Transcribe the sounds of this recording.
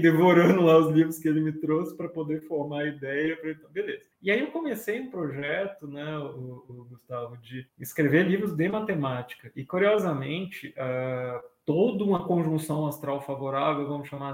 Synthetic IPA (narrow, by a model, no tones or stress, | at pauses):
d̪evoɾɐ̃nd̪ʊ̃laʊzlivɾʊskɪelɪmɪt̪ɾosɪ̥pɾɐpod̪efoɾmaɐid̪ɛjɐpɾɐẽt̪ɐ̃w̃belezɐɪaiewkõmesejũpɾoʒɛt̪ʊnɛʊʊːɡust̪avʊd͡ʒɪɪskɾevelivɾʊzd̪ɪmat̪emat͡ʃi̥kɐʔɪkuɾiɔzɐmẽnt͡ʃɪʔat̪od̪ʊũmɐkõʒũsɐ̃w̃ast̪ɾawfavoɾavewvɐ̃mʊsʃama